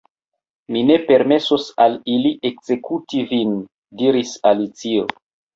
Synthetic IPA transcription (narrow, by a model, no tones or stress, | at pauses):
mine̞pe̞ɾme̞sosaliliʔekz̥e̞kutivin | diɾisalit͡sio̰